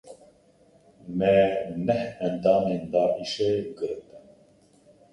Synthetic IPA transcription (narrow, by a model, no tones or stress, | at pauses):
mɛnɛhɛnd̪ɑːmeːnd̪ɑːʔiʃɛɡɨɾt̪ɨn